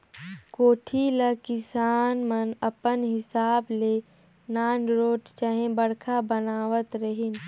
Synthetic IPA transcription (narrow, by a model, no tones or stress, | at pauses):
koːʈʰiləkɪsaːnmənəpənɦɪsaːble | naːnɾoːʈt͡ʃaɦẽbəɽkʰabənaːʋət̪ɾəɦɪn